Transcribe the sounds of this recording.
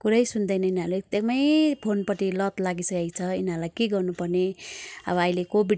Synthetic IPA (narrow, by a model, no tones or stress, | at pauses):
kuɾʌjsund̪ʌjnʌinaɾuekt̪ekmʌjpʰonpʌʈilʌt̪laɡisʌjajt͡sʰʌḭnalajkeɡʌrnupʌrneʌ̰bʌʌjlekobiɖ